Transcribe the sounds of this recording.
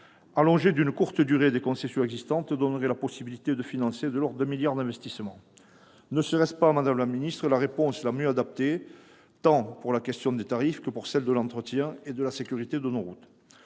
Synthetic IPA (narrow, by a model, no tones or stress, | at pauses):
alɔ̃ʒed̪ynkuʁt̪əd̪yʁed̪ekɔ̃sesjɔ̃ɛɡzist̪ɑ̃t̪d̪ɔnəʁɛlapɔsibilit̪ed̪əfinɑ̃sed̪əlɔʁd̪ɛ̃miljaʁd̪ɛ̃vɛst̪ismɑ̃ | nəsəʁɛspamad̪amlaminist̪χəlaʁepɔ̃slamjøad̪ap̚t̪e | t̪ɑ̃puʁlakɛst̪jɔ̃d̪et̪aʁifkəpuʁsɛld̪əlɑ̃t̪χət̪jɛ̃ed̪əlasekʲyʁit̪ed̪ənoʁut̪